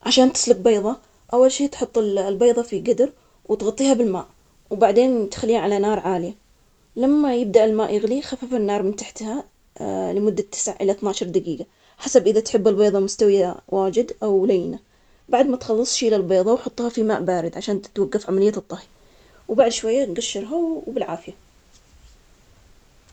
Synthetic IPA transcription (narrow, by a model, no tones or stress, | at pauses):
ʕaʃaːnt̪ɪ̥slʊɡ̚beːðˤɑ | ʔawːalʃiːt̪ħʊt̪ˤːɪllbeːðˤɑfiɡad̪ɾ | wɪt̪ɣɑt̪ˤːiːhabɪlma̰ːʔ | wbaʕd̪eːnt̪ḁxalːiːaʕalanɑːɾˤʕaːlɪja | lamːajɪb̚d̪aʔɪlmaːʔjɪɣlixafafɪnːɑːɾˤmɪnt̪aħt̪ha | lɪmʊd̪ːat̪ʰːɪ̥sʕaʕʔɪlaθnaːʃɾˤd̪aɡiːɡa | ħasabʔɪðat̪ħɪbːɪlbeːðˤɑmʊst̪awjawaːd͡ʒɪd̪ʔawlajna | baʕd̪mat̪xɑlːɨsˤʃilalbeːðˤɑwħʊt̪ˤːhɑfima̰ːʔbaːɾɪd̪ʕaʃaːnt̪t̪waɡːafʕamalɪjːat̪ˤːɑhi | wbaʕd̪ʃwajːaɡaʃːɪɾˤɦabɪlʕaːfɪja